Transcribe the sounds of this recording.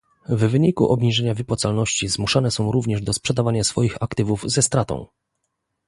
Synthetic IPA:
vːɘɲikṵʔɔbɲiʐɛɲavɘpwɔt̪salnɔɕt͡ɕizmuʂanɛsɔ̃w̃ɾuvɲɛʐd̪ɔspʂɛd̪avaɲasfɔjixakt̪ɘvuvzɛst̪ɾat̪ɔ̰̃w̃

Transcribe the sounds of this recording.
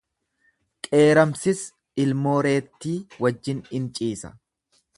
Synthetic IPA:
kʼe̞ːɾɐmsɪs | ɪlmo̞ːɾe̞ːt̪ːiːwɐd͡ʒːɪnɪnt͡ʃʼiːsɐ̥̰

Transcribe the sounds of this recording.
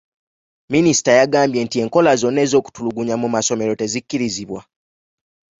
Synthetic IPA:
minisi̥tajaɡaːmbje̞ntie̞ːŋko̞lazo̞nːe̞ːzo̞ːku̥tuluɡuɲamumaso̞me̞ɾo̞te̞zikːiɾiziβwa

